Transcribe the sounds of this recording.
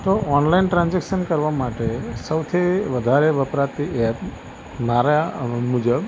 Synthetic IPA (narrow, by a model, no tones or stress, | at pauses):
t̪oʔɔnlainʈɾãnd͡ʒekʃənkəɾʋamaʈesəwt̪ʰiʋəd̪ʱaɾeʋəpɾat̪iɛp | maɾamud͡ʒəb